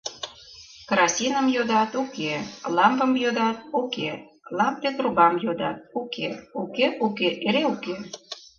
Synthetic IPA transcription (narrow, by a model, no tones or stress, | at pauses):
kɾɑsʲinəmjod̪ɑt̪ukelɑmpə̆mjod̪ɑt̪̚uke | lɑmp̚t̪ek̪ɾubɑmjod̪ɑt̪̚ukʰeukeukeʔeɾeuke